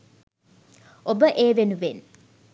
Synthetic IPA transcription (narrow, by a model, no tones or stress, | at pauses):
obəʔeːʋenuʋen